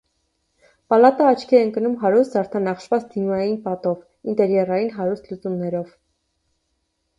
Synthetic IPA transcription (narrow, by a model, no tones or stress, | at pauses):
pɑlɑt̪əɑt͡ʃʰkʰiɛəŋkənumɦɑɾust̪zɑɾt̪ʰɑnɑχʃvɑt͡sd̪̥imɑjinpɑt̪ɔv | int̪ɛɾjɑrɑjinɦɑɾust̪ʰlut͡sumnɛɾɔv